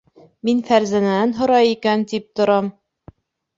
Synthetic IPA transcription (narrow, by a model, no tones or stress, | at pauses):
minfæɾzænæænɦŏɾɑjikænt̪ip̚t̪ŏɾɑm